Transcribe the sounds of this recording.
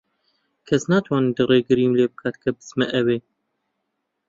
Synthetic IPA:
kʰɛsnɑːt̪ʰwɑːnind̪ɨreːɡɨɾiːmleːbɨkʰɑt̪kʰɐbɨzmɛʔɛweː

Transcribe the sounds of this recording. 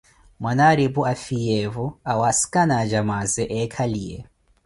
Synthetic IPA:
mwanaɾibuafiɛvuawasi̥kʼanad͡ʒamazɛʔɛkʰaliːɛ̰

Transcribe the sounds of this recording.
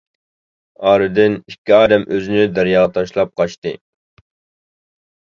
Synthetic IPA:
ɑːɾɨd̪ɪnikʲʰːiɑːd̪ɛmʔøzɪnɪd̪æɾjɑːʁət̪ʰɑʃlˠɑp̚qʰɑʃt̪ɨ

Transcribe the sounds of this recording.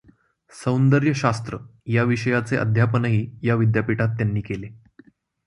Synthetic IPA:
sə̃wnd̪əɾjəɕast̪ɾəjaʋiɕəjat͡seʔə̰d̪ʱjapənəɦiːjaʋid̪japiʈat̪ːjanːiːkele

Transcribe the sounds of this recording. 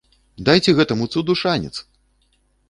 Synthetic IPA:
d̪ajt͡sʲɛɣɛt̪ɐmut̪sud̪uʂanʲɛ̰t̪s

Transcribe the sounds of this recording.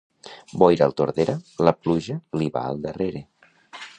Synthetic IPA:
bɔjɾalˠt̪oɾðeɾələpluʒəliβa̰ə̰lˠd̪əreɾe

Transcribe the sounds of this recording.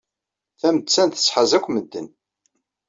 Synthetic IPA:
θæmət͡sːænθə̥sˤħəzækʷːməd̪ːən

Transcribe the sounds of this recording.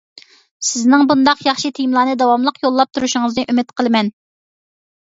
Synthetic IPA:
sɪznɪŋbund̪ɑqjɑχʃit̪ʰijmlˠɑːnɨd̪ɑwɑmlˠəqjolˠːɑp̚t̪ʰuɾuʃʊŋəznɨʔymɪt̪qʰəlˠɨmɛn

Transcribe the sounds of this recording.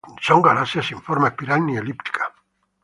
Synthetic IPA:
sɔŋɡalasjasiɱfɔɾmapiɾanːielipt̪i̥kʰḁ

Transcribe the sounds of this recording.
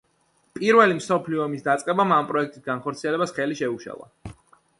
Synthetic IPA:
pʼiɾvɛlimsɔpʰliɔmisd̪at̪sʼqʼɛbamampʼɾɔɛk̚ʰt̪ʼisɡanχɔɾt̪sʰiɛlɛbasχɛliʃɛuʃa̰lˠa̰

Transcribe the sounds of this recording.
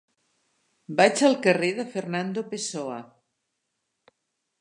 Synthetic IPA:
bat͡ʃəlˠkəreðəfeɾnand̪opesoa

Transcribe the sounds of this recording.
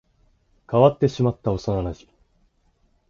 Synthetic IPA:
kaβat̪ːe̞ɕimat̪ːao̞sanaɾaʑi

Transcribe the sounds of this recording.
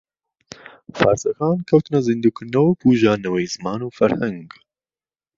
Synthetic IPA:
fa̰ːɾsɐxaːnkʰɐwt̪ɨnɐzind̪uːkʰɨɾnɐwpʰuːʒaːnɐwɛjzɨmaːnuːfɐɾhɛŋɡ

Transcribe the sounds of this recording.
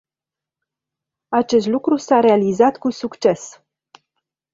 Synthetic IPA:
at͡ʃe̞s̬t̪lukɾusaɾe̞alizat̪kusukt͡ʃe̞s

